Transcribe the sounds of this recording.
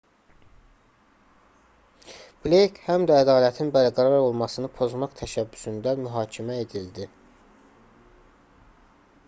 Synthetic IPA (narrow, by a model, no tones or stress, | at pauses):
b̥lejkʰhæmd̪æːd̪ɑːlæt̪ʰinbæɾɡæɾɑɾo̞lˠmɑsɯnɯpʰo̞zmɑχt̪ʰæʃæbːysynd̪æmyɦɑːcʰimæe̞d̪ild̪i